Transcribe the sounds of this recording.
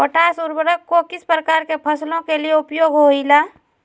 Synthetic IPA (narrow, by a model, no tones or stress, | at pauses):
əʈaːsʊɾbəɾəkːokɪspɾəkaːɾkepʰɐslõkelieʊpjoːɡɦoilaː